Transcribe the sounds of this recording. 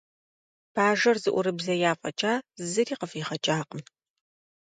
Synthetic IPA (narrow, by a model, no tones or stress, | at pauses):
b̥ʰaːʒɐrzɨʔʷʊɾɨbzɐjaːfʼɐt͡ʃʼaːzɨriːqəfiːχɐt͡ʃʼaːqəm